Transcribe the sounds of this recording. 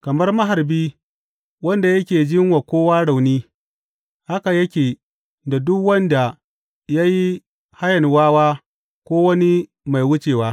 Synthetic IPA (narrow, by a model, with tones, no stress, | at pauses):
kɐ˨mɐ˦rmɐ˦ɦa˨rbiː˦ | wɐ˦nda˨jɐ˦kʲeː˨d͡ʒɪ˦ŋwa˨kʷoː˦waː˦ɽa˨wniː˦ | ha˦ka˨jɐ˦kʲeː˨ | da˨dʊ˦kwɐ˦nda˨ | ja˦ji˦ | ha˦jɐ˨nwaː˦waː˦ | kʷoː˦wɐ˦ni˦ | ma˨jwʊ˦t͡ʃeː˨waː˦